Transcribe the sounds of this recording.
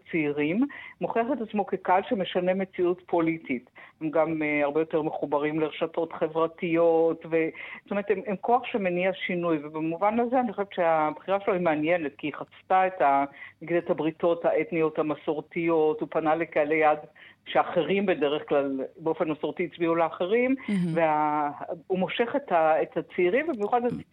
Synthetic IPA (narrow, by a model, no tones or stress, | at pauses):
t͡siːʁimmoχiaχetat͡smo̞ke̞kalʃeme̞ʃane̞me̞t͡siutpʰo̞litʰithemɡamaʁbejo̞teʁmeχubaʁimleʁeʃato̞tχe̞vʁatijo̞tvez̥otomeet̪ememkʰo̞aχʃemeniaʃinujvebemuvanazeaniχoʃevett͡ʃeabχiʁaʃeloimeanjenetkiχat͡staetanaɡidethabʁito̞thaʔetnijo̞thamaso̞ʁtijo̞tupanalekalejadʃeaχeʁimbedeʁeχklalbeo̞fenmaso̞ʁt̪iit͡sbiuleaχeʁimvea | umo̞ʃe̞χetaetat͡seiːʁimvebimjuχadt